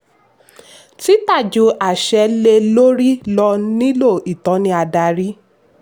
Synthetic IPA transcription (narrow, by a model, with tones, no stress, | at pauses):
ti˦ta˦˨d͡ʒu˨˦a˨ʃɛ˨˧le˧lo˦ɾi˦lɔ˧nĩ˦lo˦˨i˨tɔ̃˨˦nĩ˧˦a˧da˧ɾi˦